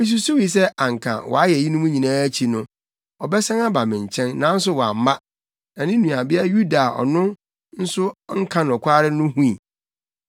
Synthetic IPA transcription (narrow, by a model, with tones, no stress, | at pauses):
mɪ̃˦s̬u˦so˦wi˨s̬ɛ˦a˨ŋ˨kʰã̰˨wɔ̰˨a˦jɛ˨ji˦nʊ̃˦mʊ̃˦ɲĩ˨nãː˦t͡ɕʰi˨nʊ̃˦ | ɔ˨bɛ˦sã˦ŋa˦ba˨mɪ̃˨ɲ̩˨t͡ɕʰɛ̃˦nːã˨n̩˦s̬ʊ˦wɔ˨a̰˨m̩˦ma˦ | nã˨nɪ̃˦nũ˨a˨bɪ˦a˦ju˦da˨ʔɔ̰˨nʊ̃˦ | n̩˦sʊ˦ŋ̩˦kʰã˦nɔ˨kʷʰaː˦ɾɪ˦nʊ̃˦hũ˦ĩ˨